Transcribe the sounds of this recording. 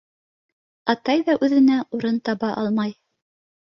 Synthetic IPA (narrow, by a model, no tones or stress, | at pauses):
ɑt̪ɑjðɑʔʉðɘ̆næuɾɤnt̪ɑβɑʔɑlˠmɑj